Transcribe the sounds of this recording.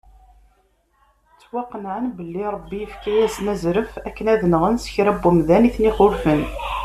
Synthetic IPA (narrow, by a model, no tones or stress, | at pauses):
t͡sːwɑqːənʕənbəlːiɾˤəbːijəfkæjæsnæzɾəfækːənæðənʁənsə̥çɾæbːumðæniθniχʊɾfən